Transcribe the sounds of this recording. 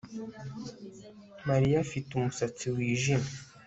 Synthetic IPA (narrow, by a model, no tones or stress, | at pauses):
maɾijafitumusat͡siwiːʒime